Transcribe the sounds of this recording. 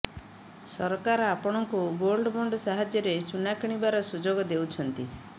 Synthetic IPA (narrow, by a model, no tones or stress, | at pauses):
sɔɾkaɾɔapɔɽ̃ɔŋkuɡolɖɔbɔɳɖɔsaɦad͡ʒjɔɾesunakiɽ̃ibaɾɔsud͡ʒoɡɔd̪ewt͡ʃʰɔnt̪i